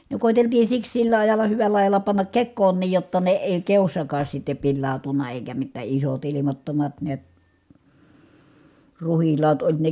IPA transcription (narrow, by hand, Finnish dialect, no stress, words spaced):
ne koˑiteltiː siks silːæ ɑjɑlˑɑ hyʋælˑæ ɑjɑlɑ pɑnːɑk kekːoːnˑiːj jotːɑ ne eˑi keosːɑkɑːs sitːe pilːɑˑu̞tunːɑ eˑikæ mitːæ isot ilimɑtːomɑt niæt ruhilːɑːt olʲ ne